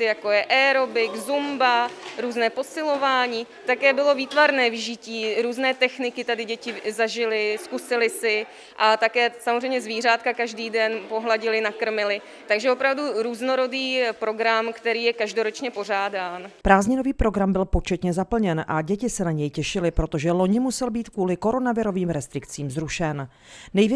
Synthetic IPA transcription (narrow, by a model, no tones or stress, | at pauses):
ɪjakojɛʔɛːɾobɪkzumbaɾuːznɛːpo̞sɪlo̞vaːɲiː | t̪akɛːbɪlo̞viːt̪vaɾnɛːvɪʒɪciːɾuːznɛːt̪ɛxnɪkɪt̪adɪɟɛcɪzaʒɪlɪskusɪlɪsɪ | ʔat̪akɛːsamozrejmɲɛzviːr̝aːt̪̚kakaʒdiːdɛnpo̞ɦlaɟɪlɪnakr̩mɪlɪ | t̪aɡʒɛopɾavduɾuːzno̞ɾo̞diːpɾo̞ɡɾamkt̪ɛɾiːjɛkaʒdoɾo̞t͡ʃɲɛpo̞r̝aːdaːnpɾaːzɲɪno̞viːpɾo̞ɡɾambɪlpo̞t͡ʃɛt̪ɲɛzapl̩ɲɛnʔaɟɛcɪsɛnaɲɛjcɛʃɪlɪpɾo̞t̪o̞ʒɛlo̞ɲɪmusɛlbiːt̪kuːlɪko̞ɾo̞navɪɾo̞viːmɾɛst̪ɾɪkt͡siːmzɾuʃɛn | nɛjvjɛ